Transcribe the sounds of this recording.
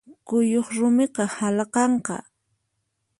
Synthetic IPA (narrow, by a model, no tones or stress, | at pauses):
kʊjoχɾʊmɪqɑhalqɑɴqɑ̰